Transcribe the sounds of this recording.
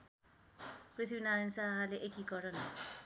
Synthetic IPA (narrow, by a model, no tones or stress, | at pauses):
prit̪ʰbinaɾansaɦɦaleʔekikʌɾʌn